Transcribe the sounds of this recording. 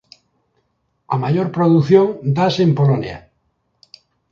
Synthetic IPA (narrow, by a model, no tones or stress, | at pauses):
amajoɾpɾoðuθjoŋd̪asempolonj̰a̰